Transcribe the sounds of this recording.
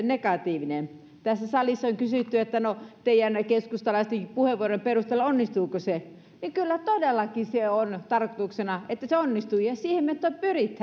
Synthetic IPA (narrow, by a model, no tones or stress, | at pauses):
nekɑt̪iːʋinen | t̪æsːæsɑlisːɑoŋkysyt̪ːyet̪ːænot̪eijænkeskust̪ɑlɑist̪eŋkipuheʋuoromperust̪eːlːonːist̪uːkose | niŋkylːæt̪odelːɑkiseont̪ɑrkot̪uksenɑet̪ːæseonːist̪ujɑsiːhemet̪ːoˑppyrit̪ːæ